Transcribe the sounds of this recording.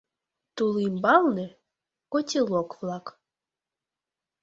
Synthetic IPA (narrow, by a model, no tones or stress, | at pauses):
t̪ulˠimbɑlˠnɨ | kotʲelˠokvlˠɑk